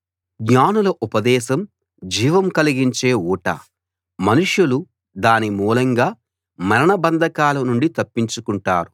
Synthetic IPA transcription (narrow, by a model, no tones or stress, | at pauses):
ɡɲaːnulɐʔupɐd̪ɛːʃɐm | d͡ʒiːʋɐmkɐliɡiɲt͡ʃe̞ːuːʈɐ̰ | mɐnuʂjulu | d̪aːnimuːlɐŋɡaː | mɐɾɐɳɐbɐnd̪ʱɐkaːlɐnuɳɖit̪ɐpːiɲt͡ʃukuɳʈaːɾu